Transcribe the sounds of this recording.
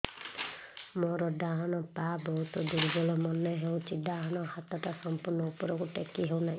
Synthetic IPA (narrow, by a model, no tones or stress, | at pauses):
mɔɾɔɖaɦɔnɔpabɔɦut̪ɔd̪uɾbɔlɔmɔneɦew̃t͡ʃʰidaɦɔnɔhat̪ɔʈasɔmpuɾnɔupɔɾɔkuʈekiɦewnaɦĩ